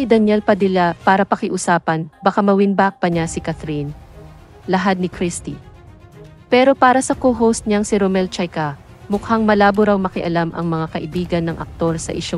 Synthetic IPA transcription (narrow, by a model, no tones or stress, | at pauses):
ɪd̪ɐnjɛlpɐd̪ɪlapaːɾɐpɐkɪʔʊsaːpɐnbɐkamɐwɪnbak̚pɐɲasɪkɐt̪ɾin | lɐɦad̪̚nɪkɾist̪i | pɛːɾo̞paːɾɐsɐkoɦowst̪̚ɲaŋsɪɾomɛlt͡ʃajka | mʊkhaŋmɐlaːboɾawmɐkɪʔɐlamʔɐ̰ŋmɐŋakɐʔɪbiːɡɐnːɐŋʔɐ̰k̚t̪o̞ɾsɐ̰ʔɪʃo